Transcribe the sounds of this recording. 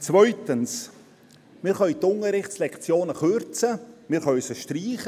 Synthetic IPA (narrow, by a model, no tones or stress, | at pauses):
t͡svœʏtəns | mɪːɾχœʏt̪ʊŋəɾɪχtt͡slɛkt͡sjoːnəχøɾt͡səmɪːχœœsəʃtriːχə